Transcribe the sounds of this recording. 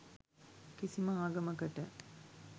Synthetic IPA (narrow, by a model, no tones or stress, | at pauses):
kisiməaːɡɐməkəʈə